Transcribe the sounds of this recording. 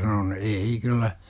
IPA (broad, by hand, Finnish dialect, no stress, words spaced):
sɑnon eei kylːæ